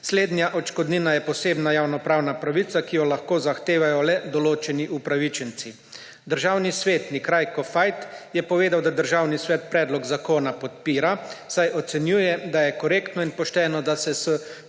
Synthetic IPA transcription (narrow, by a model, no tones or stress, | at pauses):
sleːd̪nʲjaʔɔt͡ʃkɔd̪niːnajɛpɔseːbnajaːwnɔpɾaːwnapɾaʋit̪sakijɔlaxkoːzaxt̪eːʋajɔlɛd̪ɔloːt͡ʃɛniʔupɾaʋit͡ʃənt̪si | d̪əɾʒaːwnisʋeːt̪nikɾajkɔfajt̪jɛpɔʋeːd̪awd̪ad̪əɾʒaːwnisʋɛːt̪̚pɾɛːd̪lɔɡzakoːnapɔt̪piːɾasajʔɔt̪sɛnjuːjɛd̪ajɛkɔɾeːkt̪nɔinpɔʃt̪ɛːnɔd̪asɛsə